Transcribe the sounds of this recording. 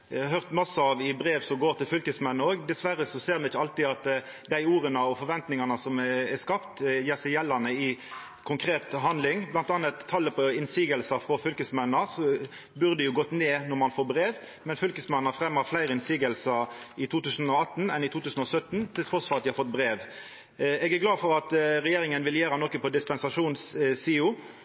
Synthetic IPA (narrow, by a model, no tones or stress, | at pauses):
jɑhœʁt̪mɔsɔɑʋɪbɾeːʋsɔmɡoːʁt̪ʰɪlfʏlkəsmɛnːəoːɡd̪ɛsʋæɾːəsɔseːʁmɛnɪçːəɑlt̪ɪɑt̪ | d̪æɪuːɾənəɔfɔɾʋɛnt̪nɪŋɑnəsɔmɛskɑpt̪jeːsæɪjɛlːɑnəɪ | kʰʊŋkʰɾeːt̪ɦɑnd̪lɪŋblɑnt̪ɑːnət̪ʰːɑlːəpʰɔɪnsiːɡəlsɑfɾɔfʏlkəsmɛnːəsɔ | bʉʁd̪ɛjʊɡɔt̪ːneːnɔʁmɑnfoːɾbɾeːʋ | mɛnfʏlkəsmɛnːəfɾɛmːɑflæɪɾəɪnsiːɡəlsəɪt̪ʰuːt̪ʉːsn̩ɔɑt̪ːnɛnɪt̪ʰuːt̪ʉːsən̩ɔsœt̪nt̪ʰɪlt̪ʰʁɔsfɔɾɑt̪d̪ɪhɑɾfɔt̪̚ːbʁeːʋ | ɛːɡæɡlɑːfɔɾɑt̪ɾɛjeːɾɪŋənʋɪljeːɾɑnɔkːəpɔd̪ɪspɛnsɑʂuːnsiːʊ